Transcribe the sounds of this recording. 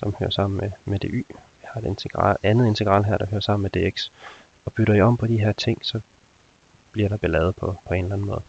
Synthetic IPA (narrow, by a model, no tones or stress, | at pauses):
sɒ̽mhø̰ːɐ̰sɑ̈m̰n̩memed̥e̝ʔy̰ː | ihɑ̈e̝d̥e̝nt͡sʰeɡ̥ʁɑ̰lænð̩ˠe̝nt͡sʰe̝ɡ̥ʁɑ̰ːlɦæɐ̰ɾ̥ɑ̈høːɐsɑ̈m̰n̩med̥e̝ːeɡ̥s | ɒ̽b̥yɾ̥ɐiɒ̽m̰pʰɒ̽d̥iɦeɐ̰t͡sʰe̝ŋ̰sɒ̽ | b̥liɐɾ̥ɑ̈b̥e̝lɛːð̩ˠpʰɒ̽pʰɒ̽e̝nlæn̩mɔ̽ːð̩ˠ